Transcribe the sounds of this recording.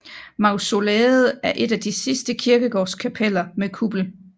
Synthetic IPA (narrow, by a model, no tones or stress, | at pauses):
mɑ̈ʊso̝lɛːð̩ˠæɐʔe̝d̥æd̥isisd̥əkʰiɐɡ̥əɡ̥ɒ̰ːskʰæpʰelɐmekʰub̥l̩